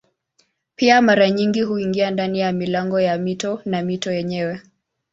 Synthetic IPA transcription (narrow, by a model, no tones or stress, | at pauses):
piamaɾaɲiŋɡiɦuiŋɡiandanijamilaŋɡɔjamitɔnamitɔjɛɲɛwɛ